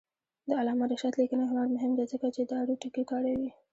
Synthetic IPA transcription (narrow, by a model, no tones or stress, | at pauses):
d̪əalɑmaɾəʃat̪likənaɦnaɾmʊɦɪmd̪azəkat͡ʃed̪əaɽuʈakikɑɽawi